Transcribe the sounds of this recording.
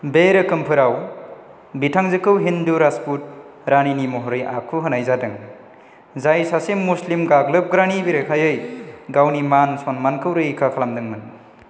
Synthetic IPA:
beɾɯkɯmpʰɯɾaw | bitʰaŋzɯkʰɯwɦinduɾasput̚ | ɾaninimɔɦɔɾɯja̰kʰuɦɯnajzadɯŋ | zajsasemːuslimɡaɡlɯp̚ɡɾanibiɾɯkʰajɯjɡawnimansonmankʰɯwɾɯjkʰakʰalamdɯŋmɯn

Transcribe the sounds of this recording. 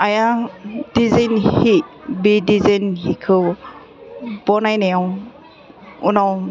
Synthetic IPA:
ajad̥izajnhibidizajnhikʰɯ | bɔnajnejaw | unaw

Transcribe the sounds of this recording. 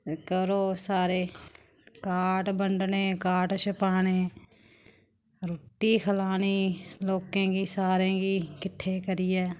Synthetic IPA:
kəɾoːsaːɾeː | kaːʈbəɳɖneːkaːʈʃəpaːneː | ɾoʈiːkʰəlaːniːloːkẽːkiːsaːɾẽːkiːkɪʈʰːeːkəɾiːɛː

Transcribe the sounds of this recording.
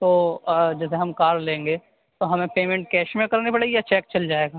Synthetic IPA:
t̪oːd͡ʒɛseɦɐmkaːɾlẽːŋɡeː | t̪oɦɐmẽpeːmẽɳʈ̚kɛːʃmẽkɐɾnepɐɽeːɡijat͡ʃɛːkt͡ʃɐld͡ʒaːeːɡaː

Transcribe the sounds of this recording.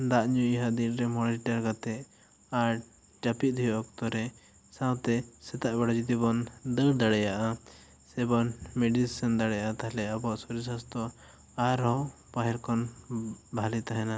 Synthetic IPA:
d̪aʔɲuɦad̪iɾɾɛmɔɽiʈaɾɡat̪ɛʔ | aɾ | t͡ʃapit̪̚d̪ʱujɔɔk̚t̪ɔɾɛ | sãwt̪ɛsɛt̪aʔbɛɽad͡ʒut̪ibɔnd̪əɽd̪aɽɛjaʔa | sɛbɔnmɛɖisənd̪aɽɛjaʔat̪aɦlɛabɔaʔsɔɾisast̪ɔ | aɾɦɔ | paɦɛɾkɔnbʱalit̪aɦɛna

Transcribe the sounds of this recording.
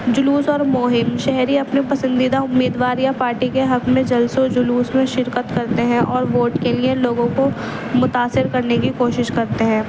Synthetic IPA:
d͡ʒʊluːsɔːɾmoːɦɪmʃɛɦɾiɐpnepɐsə̃nd̪id̪aʊmːiːd̪ʋaːɾjapaːɾʈikeɦɐkmẽd͡ʒɐlsod͡ʒʊluːsmẽʃɪɾkət̪kɐɾt̪eɦɛ̃ʔɔːɾʋoːʈkelieloːɡõko | mʊt̪aːsɪɾkɐɾnekikoːʃɪʃkɐɾt̪eɦɛ̃ː

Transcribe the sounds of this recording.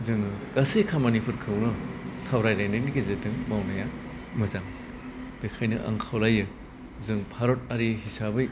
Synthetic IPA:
zɯŋɯkasekʰamanipʰɯɾkʰɯwnɯsabɾajɾajneniɡezetɯŋmawnaja | mɯzaŋ | b̥ekʰajnɯʔa̰ŋkʰawlajɯ | zɯŋpʰaɾot̚aɾiɦisabɯj

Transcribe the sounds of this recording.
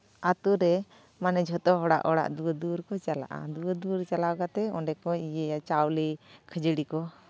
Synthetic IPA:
at̪uɾɛ | manɛd͡ʒʱɔt̪ɔɦɔɽa̰ʔɔɽa̰ʔd̪uəd̪uɾkɔt͡ʃala̰ʔa̰d̪uəd̪uɾt͡ʃalawkat̪ɛɔɖɛkɔijɛjat͡ʃawlikʰəd͡ʒəɽikɔ

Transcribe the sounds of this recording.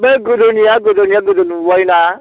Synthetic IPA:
bɛɡodonijaɡodoniaɡodonũwɔina

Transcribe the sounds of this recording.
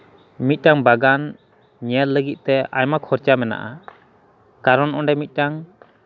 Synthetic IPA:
mit̪̚ˀʈaŋbaɡan | ɲɛt̪ləɡit̪̚t̪ɛa̰jmakʰɔɾt͡ʃamɛna̰ʔa | kaɾɔnʔɔɳɖɛmit̪̚ˀʈaŋ

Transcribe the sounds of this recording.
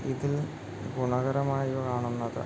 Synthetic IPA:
iðil | ɡuɳɐɣɐɾɐmaːjuʋɐkaːɳunːɐðɨ̰

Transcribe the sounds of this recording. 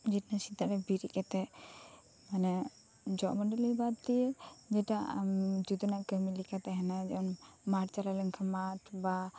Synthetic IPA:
d͡ʒɛtnasid̪aɾɛbiɾikɛt̪ɛ | manɛ | d͡ʒɔʔməɖəlibad̪̚t̪ijɛd͡ʒɛʈa̰d͡ʒud̪ɔnaʔkəmilikat̪ɛɦɛnad͡ʒɛunmaʈ̚t͡ʃalaləŋkʰamaʈba

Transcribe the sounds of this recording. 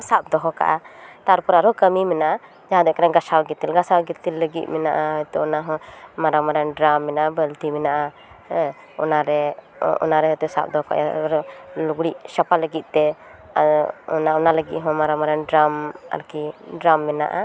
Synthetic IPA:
sap̚d̪ɔɦɔka̰ʔat̪aɾpɔɾaɾɔkəmimɛnaʔa | d͡ʒaɦãd̪ɔkaɾaɡasawɡit̪ːilɡasawɡit̪ilːəɡḭt̪̚ˀmɛna̰ʔaɔt̪ɛɔnaɦɔ̃maɾamaɾɛnɖɾamːɛnaʔabəlt̪imɛnaʔa | ɔnaɾɛ | ɔ̰naɾɛɦɔt̪ɛsa̰p̚d̪ɔɦɔka̰ʔjaɾɔluɡɽiʔʃapaləɡit̪̚ˀt̪ɛ | ɔ̰naɔnaləɡit̪̚ˀɦɔ̃maɾamaɾɛnɖɾama̰ɾkiɖɾamːɛna̰ʔa

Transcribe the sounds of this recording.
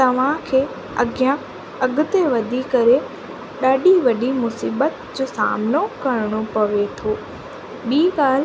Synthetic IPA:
t̪ɐʋ̤ãkʰeː | ɐɡjã | ɐɡʊt̪eʋɐd̪ʱikɐɾe | ɗaːɗiʋɐɗimʊsiːɓət̪d͡ʑoːsa̰ːmnokɐɾɽ̃opɐʋet̪ʰoː | ɓiːɠaːl̤

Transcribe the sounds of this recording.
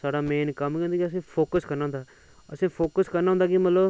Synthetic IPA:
saːɽaːmeːnkəmkẽnd̪aːkiəs̬ĩːpʰoːkəskəɾnaːɦʊnd̪aː | əsĩːpʰoːkəskəɾnaːɦʊ̃nd̪aːkimət̪ləb

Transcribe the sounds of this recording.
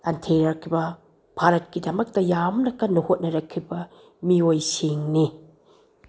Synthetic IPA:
ɐntʰeɾɐɾkʰibɐ | bʰʱaɾɐt̚kidɐmɐk̚tɐjamnɐkɐnːɐhot̚nɐɾɐkʰːibɐ | miojsiŋni

